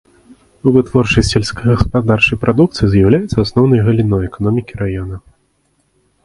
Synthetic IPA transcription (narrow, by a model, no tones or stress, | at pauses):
uvɨt̪vɔrt͡ʂɐsʲtʲɛlʲskɐɣɐspad̪art͡ʂɐjpɾʔad̪uk̚t̪sɨjizʲjawlʲajɛt̪sɐasnɔwnɐjɣɐlʲinɔjɛkanɔmʲikʲiɾajɔnɐ